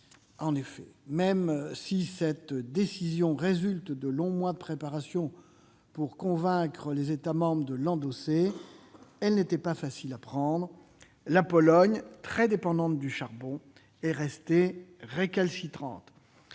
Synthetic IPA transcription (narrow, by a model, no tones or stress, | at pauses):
ɑ̃nefɛ̰mɛmsisɛt̪d̪esizjɔ̃ʁezylt̪d̪əlɔ̃mwad̪əpχepaʁasjɔ̃ | puʁkɔ̃vɛ̃kχəlezet̪amɑ̃bʁəd̪əlɑ̃d̪ose | ɛlnet̪ɛpafasilapχɑ̃d̪ʁ | lapɔlɔɲt̪χɛd̪epɑ̃d̪ɑ̃t̪d̪yʃaʁbɔ̃ | ɛʁɛst̪eʁekalsit̪χɑ̰̃t̪